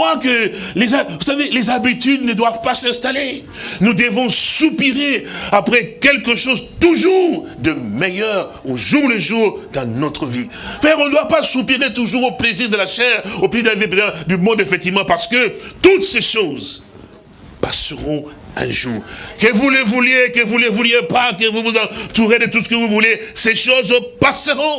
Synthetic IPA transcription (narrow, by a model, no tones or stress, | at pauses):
akəlezavusavelezabit̪yd̪nəd̪wavpasɛ̃st̪ale | nud̪əvɔ̃supiʁeapχɛkʲɛlkəʃozt̪uʒuʁ | d̪əmejœʁoʒuʁləʒuʁd̪ɑ̃nɔt̪χəvi | fɛɛʁɔ̃nəd̪wapasupiʁet̪uʒuʁopleziʁd̪əlaʃɛʁoplezid̪əivip̬̪ɛt̪d̪ymɔ̃d̪efɛk̚t̪ivmɑ̃paʁsə̥kət̪ut̪seʃoz | pasəʁɔ̃ | ɛ̰̃ʒuːʁkəvuləvuljekəvuləvuljepak̬əvuvuzɑ̃t̪uʁed̪ət̪usə̥kəvuvuleseʃozpasəʁɔ̃